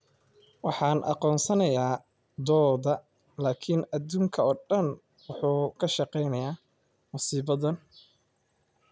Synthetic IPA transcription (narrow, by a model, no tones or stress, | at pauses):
wɑħɑːnʔɑ̰qɔːnsɐnɐjaː | d̪ɔːdɐ | laːkʰɪnɐd̪uːŋkʰɐɔːɖɐn | wʊħuːkʰɐʃɑqɛjnɐjaː | mʊsiːbɐðɐn